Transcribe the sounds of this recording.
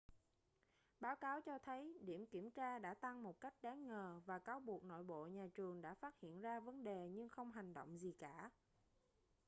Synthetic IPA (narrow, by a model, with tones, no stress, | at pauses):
ɓaː˨˦wkaː˨˦wt͡ɕɔ˧t̪ʰə˨˦jɗi˧˩əmki˧˩əmt͡ɕaː˧ɗa̰ː˧˥t̪a˧ŋmo˨˩t̚ka˦˥jk̟̚ɗaː˨˦ŋŋəː˨˩vaː˨˩kaː˨˦wɓu˨˩ək̚no̰˧˨jɓo̰˧˨ɲaː˨˩t͡ɕɨ˨˩əŋɗa̰ː˧˥faː˦˥t̚hḭ˧˨ənzaː˧və˨˦nɗe˨˩ɲɨ˧ŋxə˧wŋ͡mɦa˨˩jŋ̟ɗo̰˧˨wŋ͡mzi˨˩kaː˧˩